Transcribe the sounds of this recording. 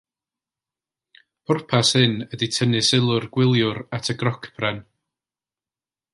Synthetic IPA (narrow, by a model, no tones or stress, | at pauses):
pʰʊrpʰashɨnəditʰənɨsɪlˠʊrɡ̥wɪlˠjʊɾatʰəɡrɔkʰb̥ʰrɛn